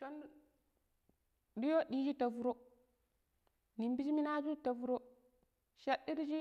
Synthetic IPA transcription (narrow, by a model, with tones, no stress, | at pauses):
to˦n | di˦jo˦ɗiː˦d͡ʒi˦ta˨vu˦ɾo˦ | ni˨mbi˦d͡ʒi˦mi˦na˦d͡ʒu˦ta˨vu˦ɾo˦ | ʃe˦ɗi˦ɾd͡ʒi˦